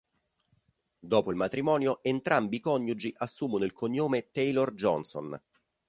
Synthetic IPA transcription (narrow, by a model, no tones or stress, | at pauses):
d̪ɔːpoilmat̪ɾimɔːnjoʔent̪ɾʔambiːkɔɲːjud͡ʒiʔasːuːmonoilkʰoɲːoːmet̪ejlord͡ʒɔnso̰n